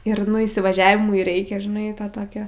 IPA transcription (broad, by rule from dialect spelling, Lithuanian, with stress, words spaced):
ɪr nʊ iːsʲɪʋɐˈʒʲæːʋʲɪmʊɪ ˈrʲɛɪkʲɛ ʒʲɪˈnɐɪ tɐ ˈtoːkʲoː